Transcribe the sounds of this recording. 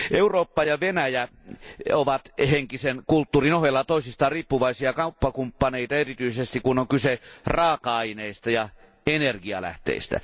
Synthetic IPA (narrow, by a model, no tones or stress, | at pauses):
ʔeuroːpːɑjɑʋenæjæ | oʋɑt̪heŋkisenkult̪ːuːrinohelːɑt̪oˑisist̪ɑːrriːpːuʋɑisiɑkɑupːɑkumpːɑneit̪ɑerit̪yisest̪ikunoŋkyserɑːkɑɑineist̪æjɑ | enerɡiɑ̰læ̰ht̪ḛˑist̪æ̰